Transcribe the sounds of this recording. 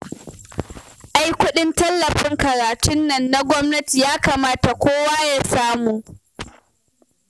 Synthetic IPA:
ʔa˦jkʷʊ˦ɗɪ˦ntɐ˦lːɐ˨ɸɪ˦ŋkɐ˨ɾaː˨tʊ˦nːɐ˨nːa˦ɡʷɔ˦mnɐ˦ti˨jaː˦kaː˨maː˦ta˨kʷoː˦waː˦jaː˦saː˦muː˨

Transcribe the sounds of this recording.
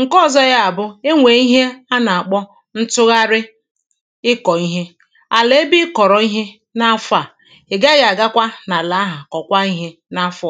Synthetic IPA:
ŋ̩˨kɔ˦˨zɔ˦ɣa˦a˨bʊ˦e˦ŋʷe˨i˦ɦe˦a˦na˨a˨k͡pɔ˦ | n̩˦tʊ˦ɣa˦ɾɪ˦ | ɪ˦kɔ˨i˦ɦe˦ | a˨le˦bi˦kɔ˨ɾɔ˨i˦ɦe˦ | na˦fʊ˦a˨ | e˨ɡa˦ɣa˨ɡa˦kʷa˦na˨la˨a˦ɦa˨kɔ˨kʷa˦i˦ɦe˦ | na˦f

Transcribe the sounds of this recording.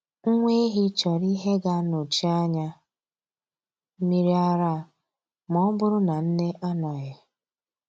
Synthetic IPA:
ŋ̩˦ŋʷe˦ɦi˦t͡ʃɔ˨ɾi˦ɦe˦ɡa˦no˨t͡ʃi˦a˦ɲa˦ | mi˦ɾi˦a˦ɾa˦˨ | mɔ˦bʊ˦ɾʊ˦na˨n̩˦ne˦ʔa˦nɔ˨ɣɪ˨

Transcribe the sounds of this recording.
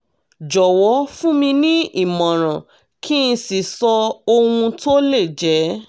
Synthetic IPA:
d͡ʒɔ˨wɔ˨˦fũ˦mĩ˧nĩ˦i˦˨mɔ̃˨ɾ̃ã˨ | kʰi˦n̩˧si˨sɔ˧o˧wũ˧to˦le˦˨d͡ʒɛ˨˦

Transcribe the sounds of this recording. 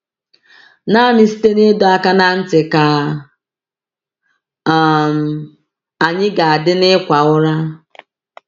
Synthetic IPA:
na˦nɪ˦si̥˦te˦ne˦dɔ˨a˦ka˦na˦n̩˦tɪ˨ka˨ | m̩˨ | a˨ɲɪ˦ɡa˨a˨dɪ˦nɪ˦kʷa˨ʊ˦ɾa˦

